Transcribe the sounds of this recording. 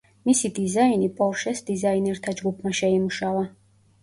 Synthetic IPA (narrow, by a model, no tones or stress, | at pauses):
misid̪izainipʼɔɾʃɛsd̪izainɛɾt̪ʰad͡ʒɡupʰmaʃɛimuʃava